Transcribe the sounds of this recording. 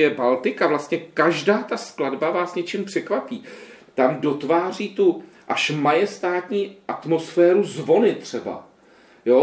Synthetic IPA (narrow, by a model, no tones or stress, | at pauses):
ɛbalt̪ɪkavlast̪ɲɛkaʒdaːt̪askladbavaːsɲɛt͡ʃɪmpr̝̥ɛkvapiː | t̪amdo̞t̪vaːr̝iːt̪u | ʔaʃmajɛst̪aːt̪ɲiːʔat̪mo̞sfɛːɾuzvo̞nɪt̪r̥ɛba̰ | jo